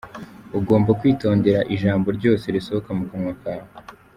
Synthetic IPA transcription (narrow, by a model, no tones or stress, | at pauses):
uɡo̞ːmbakwiːto̞ːnde̞ɾaʔiʒaːmbo̞ɾɟo̞ːse̞ɾiso̞hokamukamŋwakawe